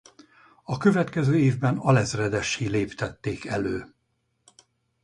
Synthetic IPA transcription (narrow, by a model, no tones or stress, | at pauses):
ɒkøvɛt̪kɛzøːeːvbɛnɒlɛzrɛd̪ɛʃileːpt̪ɛt̪ːeːkɛløː